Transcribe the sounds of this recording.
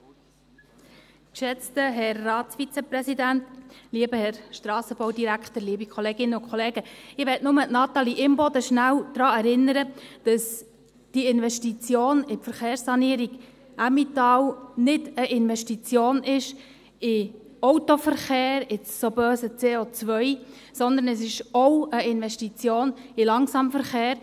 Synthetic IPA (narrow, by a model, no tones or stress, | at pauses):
kʃɛt͡stəɦɛrːɑːtsfit͡səpɾɛsidæntliəbəhɛɾʃtɾɑːsəb̥ɔwdiɾækχtəɾliəbikχɔleːɡ̥ɪnəʊkʰχɔleːɡəɪʋɛtnʊmənɑt̪ɑliʔɪmbɔd̪əʃnæwd̪̥ɾɑːɛɾɪnːəɾəd̥ɑs | d̥iɪnvɛʃtit͡sjoːnɪpfəɾχeːɾsːɑniːəɾiɡ | ʔamitɑːwnɪdəʔɪnʋɛʃtit͡sjoːnɪʃ | ɪ | ɔwtofəɾχeːɾɪt͡sːobœːsət͡seːot͡sʋœʏ | sɔnd̪ən̩əsɪʃɔwəɪnʋɛʃtit͡sjoːnɪlɑŋsɑmfəɾχeːɾ